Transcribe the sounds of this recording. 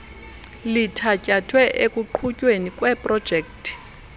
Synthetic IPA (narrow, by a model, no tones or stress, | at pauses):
litʰacʼatʰwɛʔekʼuǃʰucʼwenikʼwɛpʼrɔd̥ʒ̥ʱɛk̚tʰʼ